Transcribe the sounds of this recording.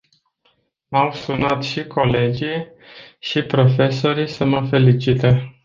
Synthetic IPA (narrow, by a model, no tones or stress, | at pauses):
mawsunat̪ʃikʰo̞le̞d͡ʒij | ʃipɾo̞fe̞so̞ɾisəməfe̞lit͡ʃit̪e